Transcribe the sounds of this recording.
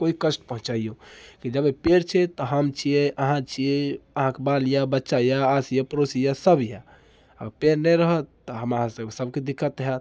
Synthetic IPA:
koikəsʈpəɦũt͡ʃaijũkid͡ʒəbepeɾt͡ʃʰɛt̪ɔɦəmt͡ʃʰijeʔəɦãt͡ʃʰieəɦãkebaljabətːʃajaːsjapəɾosijasəbja | ə̰ɡəɾpeɾnɛɾəɦə | ɔɦəmaãsəbsəb̚ked̪ikʰːət̪ɦɛt̪

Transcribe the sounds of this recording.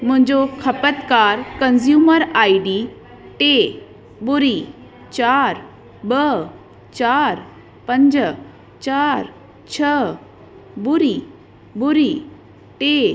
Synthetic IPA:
m̤ə̃ɲd͡ʑokʰəpət̪kaɾkənsjuməɾaiɖi | ʈe | buɾi | t͡ɕaɾ | bə | t͡ɕaɾ | pəɲd͡ʑə | t͡ɕaɾ | t͡ɕʰə | buɾi | buɾi | ʈe

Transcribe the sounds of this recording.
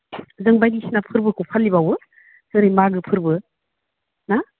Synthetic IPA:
zɯŋbajdisinapʰɯɾbɯkʰupʰalːibawɯ | zɯɾijmaɡɯpʰɯɾbɯ | na

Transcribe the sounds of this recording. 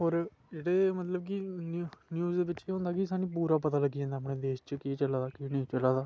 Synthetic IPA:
ɦoːɾ | d͡ʒeːɽeːmət̪ləb̚kinnjuːzd̪eːʋɪt͡ʃeːɦõnd̪aːkisãːnĩːp̬uːɾaːpət̪aːləɡːid͡ʒɛ̃ːnd̪aːpɳeːd̪eːʃt͡ʃəkiːt͡ʃəlaːd̪aːkiːnĩĩːt͡ʃəlaːd̪aː

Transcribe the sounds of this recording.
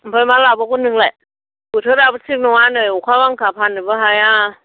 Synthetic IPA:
m̩pʰajmaːlaːwbɔːkʰunːɯŋlɛ | kut̪ʰoːt̚aːbasʰɯk̚nɔwaːnɯːjukʰawaŋkʰaːpʰanɯbɯɦaja

